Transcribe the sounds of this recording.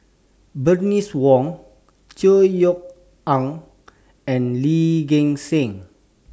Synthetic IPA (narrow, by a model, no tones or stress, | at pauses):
bəniswɔ̃ŋ | t͡ʃəjɔk̚ | ãŋ | ɛ̃nliɡẽŋsẽŋ